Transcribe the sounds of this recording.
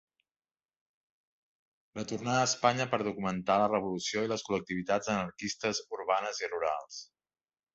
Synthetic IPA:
rət̪urnaːspaɲəpəɾðukumənt̪alərəβ̞ulusioiləskulək̚t̪iβ̞it̪ad͡zənəɾkist̪əzuɾβanəziruɾa̰lˠs

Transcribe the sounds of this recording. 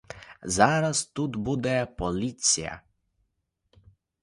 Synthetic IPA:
zaɾast̪ud̪bud̪ɛpɔlit̪sija̰

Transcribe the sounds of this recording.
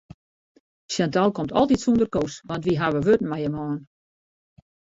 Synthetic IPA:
sjantalˠkomtʰɔ̰lˠtitsundərkosʋɔntʋiɦaʋəʋøtn̩majəmɔːn

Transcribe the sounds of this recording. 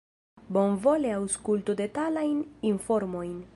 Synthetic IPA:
bo̞nvo̞leawskult̪ud̪e̞t̪alajninfo̞ɾmo̞jn

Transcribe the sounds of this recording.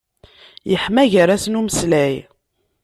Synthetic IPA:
jəħmæʝəɾæsnuməslæj

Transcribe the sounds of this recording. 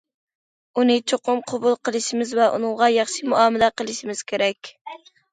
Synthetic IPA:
unɨt͡ʃʰoqʊmqʰobulˠqʰəlˠɨʃɪmɪzvɛʔṵnɨŋʁɑjɑχʃimuɑmɪlɛqəlˠɨʃimɪz̥kʲʰeɾɛkʲ

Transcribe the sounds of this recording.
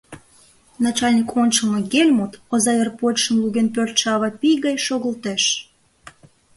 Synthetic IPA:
nɑt͡ɕɑlʲnʲikont͡ɕəmɤɡelʲmut̪ozɑvʲerpoʃə̆mluɣenpørt̪ʃɑβɑpijɣɑjʃoɣəlt̪eʃ

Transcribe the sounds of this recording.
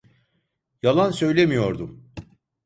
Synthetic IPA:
jalˠansø̞jlʲemijo̞ɾd̪um

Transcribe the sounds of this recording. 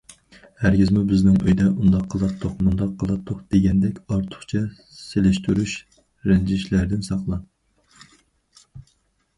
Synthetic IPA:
hæɾɡʲizmubɪznɪŋø̰jd̪ɛʔund̪ɑqʰːəlˠɑt̪ʰːoχmund̪ɑqʰːəlˠɑt̪ʰːoχd̪̥eɡʲɛnd̪ɛkʲɑɾt̪ʰʊ̥χt͡ʃʰɛ | selɪʃt̪ʰyɾuʃ | ɾɛnd͡ʒiʃlæɾd̪ɪnsɑqlˠɑn

